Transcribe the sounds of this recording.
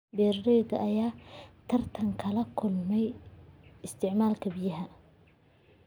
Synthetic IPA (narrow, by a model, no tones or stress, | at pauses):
bɛːrdɛjd̪ɐʔɐjaːt̪ʰɐrt̪ʰɐŋkʰɐlɐkʰʊlmɛj | ɪst̪ʰɪʕmaːlkʰɐbijɐɦɐ